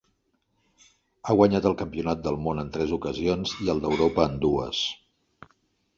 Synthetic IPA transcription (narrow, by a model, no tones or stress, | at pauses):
aɣwəɲat̪əlˠkəmpiunat̪̚d̪əlˠmonənt̪ɾɛzukəzionziəlˠd̪əwɾopəːnd̪uə̰s